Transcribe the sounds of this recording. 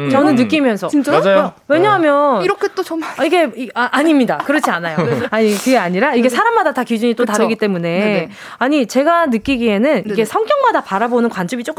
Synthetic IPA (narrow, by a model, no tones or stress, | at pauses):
t͡ɕʌnɯnːɯk͈imjʌnsʰʌit͡ɕ͈ad͡ʑajwe̞ɲaɦamjʌniɾʌkʰet͈ot͡ɕʌmaiɡe̞iaʔaɲimɲidakɯɾʌt͡ɕʰianajoaɲikɯɡe̞aɲiɾaiɡe̞sʰaɾammadatakid͡ʑuɲit͈otaɾɯɡit͈e̞mune̞ | aɲit͡ɕe̞ɡanɯk͈iɡie̞nɯniɡe̞sʰʌŋk͈jʌŋmadapaɾabonɯnkwand͡ʑɯbit͡ɕ͈ok͈ɯ